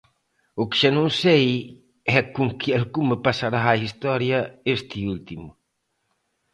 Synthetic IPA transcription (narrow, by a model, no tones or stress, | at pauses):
ʊkɪ̥ʒanõŋsej | ɛkuŋkialkumepasaɾaːist̪ɔɾjɐest̪iult̪imʊ